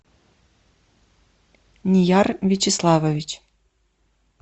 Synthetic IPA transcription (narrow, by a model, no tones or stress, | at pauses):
nʲijɑrvʲit͡ɕɪslˠɑvovʲit͡ɕ